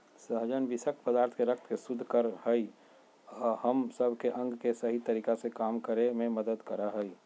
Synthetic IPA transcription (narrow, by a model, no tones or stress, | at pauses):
səɦd͡ʒənʋɪsək̚ʈ̪pəd̪aːɾt̪ʰkeɾək̚t̪ʰkesʊd̪ʱːkəɾhəi | ɔːɾhəmsəbʱkeʔə̃ŋɡkesəɦit̪əɾiːkasekaːmkəɾemẽməd̪əd̪kəɾəɦəi